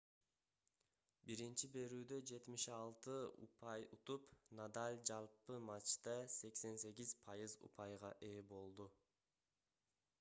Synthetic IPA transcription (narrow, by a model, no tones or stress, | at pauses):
biɾint͡ʃibe̞ɾyːd̪ø̞d͡ʒe̞t̪miʃɑlˠt̪ɯṵpɑjut̪upnad̪alʲd͡ʒɑlˠpɯmat͡ʃt̪ɑse̞kse̞nse̞ɡʲizpʰɑjɯzṵpʰɑjʁɑʔeːbo̞lˠd̪u